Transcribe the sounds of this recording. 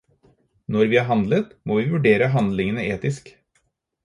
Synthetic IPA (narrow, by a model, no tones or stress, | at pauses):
nɔɾʋiːɑːɾɦɑnd̪lət̪moːʋiːʋʉɖeːɾəɦɑnd̪lɪŋənəeːt̪ɪsk